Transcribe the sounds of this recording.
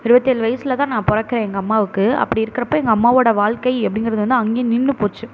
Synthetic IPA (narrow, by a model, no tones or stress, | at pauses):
ɪɾɯbɐt̪ːeɛːɭʋɐjɐsɪlɐt̪ãːnãːpɔɾɐkːɪɾẽːɛŋɡɐːmːaːʋɯkːɯɐ̰pːɐɽiɪɾɯkːɪɾɐpːoːɛŋɡɐːmːaːʋoːɽɐʋaːɭkɐɪɛpːɐɽɪnŋɡɪɾɐðɯʋɐnd̪ɯɐŋɡeːnɪnːɯpoːt͡ʃːɯ